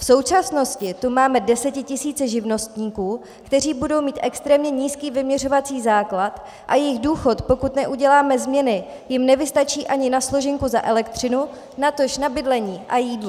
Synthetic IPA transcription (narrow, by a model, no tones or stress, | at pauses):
fso̞wt͡ʃasno̞scɪt̪umaːmɛdɛsɛcɪcɪsiːt͡sɛʒɪvno̞st̪ɲiːkuː | kt̪ɛr̝iːbudo̞wmiːt̪ʔɛkst̪ɾɛːmɲɛɲiːskiːvɪmɲɛr̝o̞vat͡siːzaːklat̪ | ʔajɛjɪɣduːxo̞t̪po̞kut̪nɛʔuɟɛlaːmɛzmɲɛnɪ | jɪmnɛvɪst̪at͡ʃiːʔaɲɪnaslo̞ʒɪŋkuzaʔɛlɛkt̪r̝̥ɪnu | nat̪o̞ʃnabɪdlɛɲiːʔajiːdlo